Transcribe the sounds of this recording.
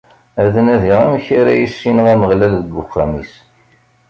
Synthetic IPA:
æðənæðiʁæmçaɾæ̰jisːinəʁæməʁlælðəɡːʊxæmis

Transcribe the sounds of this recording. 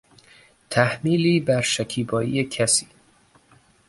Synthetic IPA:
t̪ʰæhmiːliːbæɾʃækʰiːbɒːiːjecʰæsiː

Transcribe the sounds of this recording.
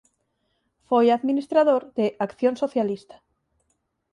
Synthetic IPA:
fojaðminist̪ɾaðoɾðeʔakθjonsoθjalist̪ḁ

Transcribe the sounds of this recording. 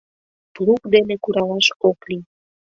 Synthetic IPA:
plukd̪enekuɾɑlɑʃokli

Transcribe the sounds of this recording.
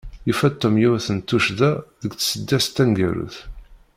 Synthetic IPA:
ifæt̪ːomjuθənt̪ːuʃðæðəɡt͡ssəd̪ːæst̪ːænɡæɾṵθ

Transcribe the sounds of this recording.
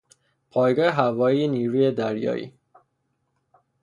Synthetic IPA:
pʰɒːjɡɒːheɦævɒːjiːjeniːɾuːjed̪æɾjɒ̰ːʔḭː

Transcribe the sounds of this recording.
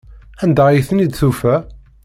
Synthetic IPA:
ænd̪æjiθənid̪θufæ

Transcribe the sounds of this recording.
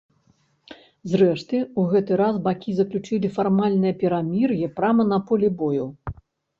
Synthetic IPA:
zrɛʂt̪ɨuɣɛt̪ɨɾasbakʲizɐklʲut͡ʂɨlʲifarmalʲnɨjɐpʲɛɾamʲirjɛpɾamɐnɐpɔlʲibɔjuw

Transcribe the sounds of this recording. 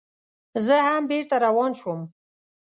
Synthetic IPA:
zəhambeɾt̪aɾawɑnʃwəm

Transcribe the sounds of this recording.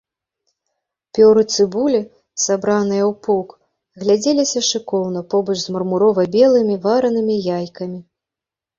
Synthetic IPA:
pʲɔɾɨt̪sɨbulʲi | sabɾanɨjɐwpɔk | ɣlʲad͡zʲɛlʲisʲɐʂɨkɔwnɐpɔbɐt͡ʂzmɐrmuɾɔvɐbʲɛlˠɨmʲivaɾɐnɨmʲijajkɐmʲi

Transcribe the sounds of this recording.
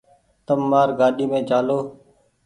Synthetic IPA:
t̪əmːaːɾɡaːɗiːmẽːd͡ʒaːloː

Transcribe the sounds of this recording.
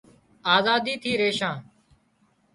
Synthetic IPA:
aːzaːd̪iːt̪ʰiːɾeːʃãː

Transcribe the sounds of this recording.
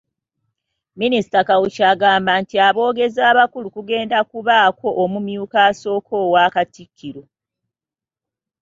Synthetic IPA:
minisi̥takawucaɡaːmbaːntiaβo̞ːɡe̞zaːβakulukuɡe̞ːndakuβaːko̞ʔːmumjuːkaːso̞ːkʰo̞ːwaːkatikʰːiɾo̞

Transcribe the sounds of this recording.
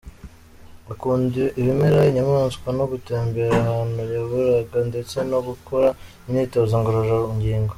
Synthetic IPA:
akuːndiʔiβimeɾaiɲamaːnskwano̞ɡuteːmbe̞ɾahaːnujaβuɾaɡande̞t͡se̞no̞ɡukʰoɾa | imiːtozaŋɡoɾoʒaiɲɟiːŋɡo

